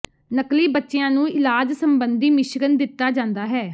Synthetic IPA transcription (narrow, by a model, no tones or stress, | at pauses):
nəkliːbətːʃeãːnũːɪlaːd͡ʒsəmbənd̪iːmɪʃɡənd̪ɪt̪ːaːd͡ʒãːnd̪aːɦɛː